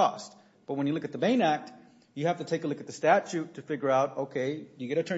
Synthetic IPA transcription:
ɔst̚ | b̥ʌt̚wə̃njɨlʊkɨt̪̚ðɨbẽɪ̃næk̚t | jɨhæftɨtʰeɪkəlʊkɨt̪̚ðɨstæt͡ʃʉtʰɨfɪɡjə˞aʊt̚oʊkʰeɪjɨɡɛɾɨtʰɜ̃˞

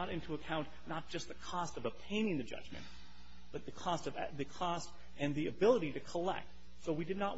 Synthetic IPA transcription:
əɾɪ̃ntʰuəkʰãʊ̃n | nət̚d̥ʒ̥ʌst̪̚ðɨkʰɔstʌvəb̚tʰẽɪ̃nɪ̃ŋðɨd͡ʒʌ̰d͡ʒmɨ̰̃nt̚ | b̥ʌt̪̚ðɨkʰɔstʌvðɨkʰɔst | ɨ̃nðiɨbɪlˠəɾiɾɨkʰəlɛ̰k̚t̚ | soʊwidɨdⁿnəʔ̚

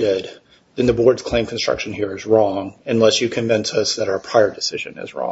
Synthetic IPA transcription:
ɾɪd̪̚ | ðɨ̃nðəbɔɹdz̥kʰl̥ẽɪ̃mkʰn̩stɹ̥ʌ̰kʃɨ̃n̩hiɹɨzɹɔ̃ŋɨ̃nlɛsjɨkʰɨ̃ɱvɛ̃nsʌsðɨɾaʊə˞pʰɹ̥aɪə˞dɨsɪʒɨ̰̃nɪ̰zɹɔ̰̃

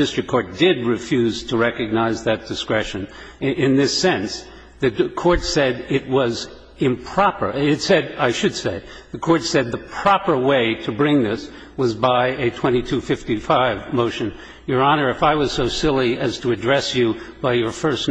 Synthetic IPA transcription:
dɪstɹ̥ɨkʰɔɹt̚d̥ɪd̚ɹɨfjʉz̥tʰəɹɛkɨɡ̚naɪzðɨt̚d̥ɨskɹɛʃɨ̃nʔɪ̃nðɪsɛ̃ns | ðɨkʰɔɹtsɛɾɪt̚wʌz | ɨ̃mpʰɹ̥ɑpə̰˞ɨtsɛɾaɪʃɨd̥seɪðɨkʰɔɹtsɛd̪̚ðɨpʰɹ̥ɑpə˞weɪɾɨbɹɪ̃ŋðɪs | wʌzbaɪɨtʰw̥ɛ̃ɾ̃itʰʉfɪftifaɪvmoʊʃɨ̃n | jə˞ɑñə˞ɨfaɪwʌz̥soʊsɪlˠiɨz̥tʰəɨdɹɛsjɨb̥aɪjə˞fɜ˞s

